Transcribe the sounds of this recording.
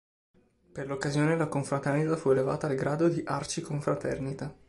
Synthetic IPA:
perlokːazjoːnelakoɱfɾat̪ɛrnit̪afueleva̰ːt̪aːlɡɾaːd̪od̪iʔart͡ʃikoɱfɾat̪ɛ̰rnit̪a

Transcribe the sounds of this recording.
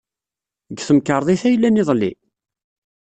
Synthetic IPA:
ɡθəmkəɾˤðˤiθæjəlːænːiðˤlːḭ

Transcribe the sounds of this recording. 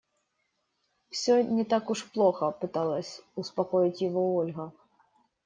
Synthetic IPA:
wsʲɔnʲɛt̪akuʂplˠɔxɐpɨt̪alˠɐsʲuspakɔjit͡sʲjaɣɔɔlʲɣɐ

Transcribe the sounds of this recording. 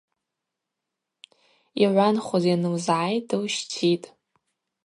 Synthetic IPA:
iʕʷanχʷozjanɨmzʕajtɨwʃt͡sʰitʼ

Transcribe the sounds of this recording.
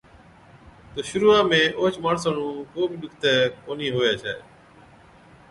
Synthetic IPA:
t̪oːʃʊɾuːaːmẽːʔoːt͡ʃmaːɳsaːɳũːkoːbɪɗʊkʰt̪ɛːkoːniːɦoːjaːt͡ʃʰa̰ːḛː

